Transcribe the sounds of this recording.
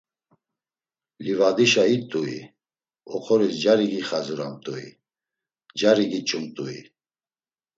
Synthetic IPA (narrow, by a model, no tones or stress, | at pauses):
livad̪iʃait̪ʼuḭ | ɔχʰɔɾisd͡ʒaɾiɡiχazuɾamt̪ʼuḭ | d͡ʒaɾiɡit͡ʃʼumt̪ʼuḭ